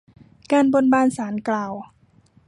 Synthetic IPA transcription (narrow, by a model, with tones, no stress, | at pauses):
kaː˧˨nbo˧˨nbaː˧˨nsaː˩˦nklaː˨˩w